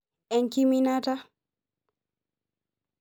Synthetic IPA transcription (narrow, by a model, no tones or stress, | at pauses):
ɛnkiminata